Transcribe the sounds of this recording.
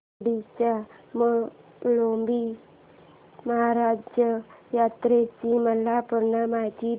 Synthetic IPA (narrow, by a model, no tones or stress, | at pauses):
ɽit͡ɕamə | lombi | məɦaɾad͡ʑjəjat̪ɾet͡ɕiməlapəɾnamad͡ʑi